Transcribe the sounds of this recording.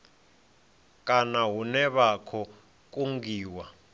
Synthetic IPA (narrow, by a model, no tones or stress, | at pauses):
kʼanaɦunɛɓakʰɔ | k̬ʼuŋɡiːwa